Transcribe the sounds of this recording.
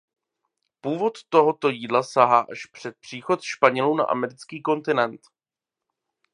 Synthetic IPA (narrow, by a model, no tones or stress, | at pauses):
puːvo̞t̪ːo̞ɦot̪o̞jiːdlasaɦaːʔaʃpr̝̥ɛt̪̚pr̝̥iːxo̞t̪ʃpaɲɛluna̰ʔa̰mɛɾɪt͡skiːko̞nt̪ɪnɛnt̪